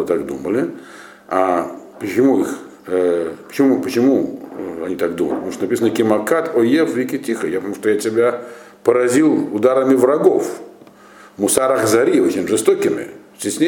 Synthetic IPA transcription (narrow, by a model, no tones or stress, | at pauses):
t̪akd̪uməlʲɪ | apət͡ɕɪmuix | pə̥t͡ɕɪmupət͡ɕɪmuɐnʲit̪akd̪uməlʲɪpət̪mut̪onɐpʲisənəkʲɪmɐkat̪ʰojefvʲɪkʲɪtʲixəjapət̪ɐmuʂt̪ojatʲɪbʲa | pəɾɐzʲilˠʊd̪aɾəmʲɪvɾɐɡof | mʊsaɾaxzɐɾʲiot͡ɕʲɪnʲʐɨst̪okʲɪmʲɪ̰sʲtʲɪsʲnʲe